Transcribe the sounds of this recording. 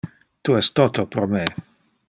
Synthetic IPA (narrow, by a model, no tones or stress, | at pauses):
t̪uɛst̪ot̪opɾome